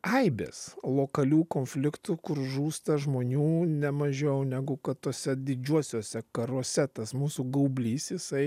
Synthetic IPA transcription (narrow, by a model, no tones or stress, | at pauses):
ɐɪbʲḛːslˠoːkɐlʲuːkoːnʲfʲlʲɪkt̪ʊkʊɾʒuːst̪ɐʒmoːnʲuːnʲɛmɐʒʲɛʊnʲæːɡʊkɐt̪t̪oːsʲɛd̪ʲɪd͡ʒʲuɔsʲoːsʲɛkɐɾuɔsʲɛt̪ɐsmuːsʊɡɐʊbʲlʲiːsjɪsɐɪ